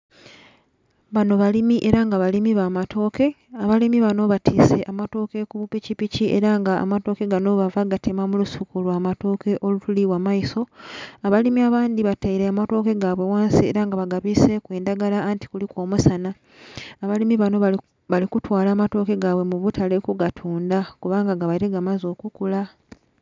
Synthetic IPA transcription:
βano̞βalimiʔe̞ɾaŋɡaβalimiβaːmatʰo̞ːke̞ | aβalimiβano̞βatʰiːse̞ʔamato̞ːke̞kuβupicipiciḛɾaŋɡa̰ːmato̞ːke̞ɡano̞βavaɡatʰe̞mamulusukulwamato̞ːke̞ʔo̞lutuliwamaiso̞aβalimiaβaːndiβatajiɾeamato̞ːke̞ɡaβwe̞waːnsiḛɾaŋɡaβaɡaβise̞kweːndaɡalaːnti̥kuliko̞ːmusanaː | βalimiβano̞ | βalikutwaːlaːmato̞ːke̞ɡaːwe̞muβutʰale̞kuɡatʰuːndakuβaːŋɡaɡaβaiɾeɡamazo̞ːkukula

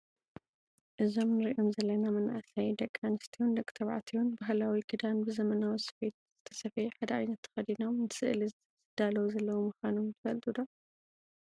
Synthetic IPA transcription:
ʔɨzo̞mnɨɾiʔomzɐlːɐnamɐna̰ʔsajd̪ɐkʼːanɨst̪ʰiund̪okʼt̪ʰɐβʕa̰t̪ʰijunbaɦlawiɡʰɨd̪anbɨzɐmɐnawisfet̪zz̥ɨt̪ʰɐsɐfɐjħad̪ɐʕajnɐt̪ʰːɨ̥xɐd̪ino̞mnɨsɨ̰ʔli | zɨd̪alɐwzɐlːɐwumɨxanomt̪ʰɨbɐlt̪ʼud̪o

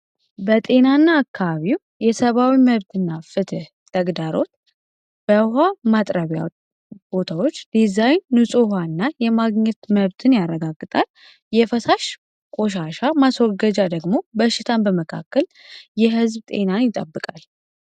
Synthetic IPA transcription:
bət̪ʼe̞nanːaːkːaβaβiw | jɛsəβawiməβt̪ʰɨnːafɨt̪ʰɨh | t̪ʰəɡd̪aɾo̞t̪ | b̥əɦamat̪ʼɾəβja̰ | b̥o̞t̪ʰawot͡ʃːd̪̥izajnːɨsʼuɦanːajɛmaɡɲɛt̪məβt̪ʰɨnjarːəɡaɡːɨt̪ʼal | jɛfəsaʃ | kʼo̞ʃ̬aʃamaswɔɡəd͡ʒad̪əɡmobəʃːɪt̪ʰanbəməkʰa̰kːəljɛɦɨzbt̪ʼe̞nanjɪt̪ʼə̰bːɨkʼal

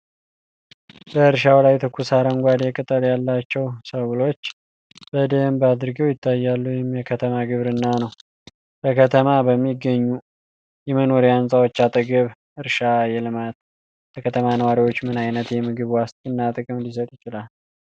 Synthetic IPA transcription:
bəɨɾʃawlajt̪ʰɨkʰːusaɾəŋɡʷad̪jɛkʼɨt̪ʼːəljalːat͡ʃːɛwsəwlo̞t͡ʃː | b̥əd̪əmbad̪ɨɾɡəwjɪt̪ʰːajːalːujɪmjɛkʰət̪ʰəmaɡɨβɾɨnːanəw | b̥əkʰət̪ʰəmabəmːiɡəɲːu | jɛməno̞ɾiansʼawot͡ʃːat̪ʼəɡɨβ | ʔɨɾʃajɛlɨmat̪ | ləkʰət̪ʰəmanəwaɾiwo̞t͡ʃːmɨnajnət̪jɛmɨɡɨβwast̪ʼɨnːat̪ʼɨkʼɨmlisət̪ʼjɪt͡ʃɪlal

